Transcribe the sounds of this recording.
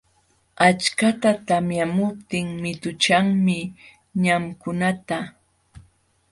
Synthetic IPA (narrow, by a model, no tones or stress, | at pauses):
at͡ʃkat̪at̪amjamʊp̚t̪ɪŋmɪt̪ʊt͡ʃaŋmɪ | ɲamkʊnat̪a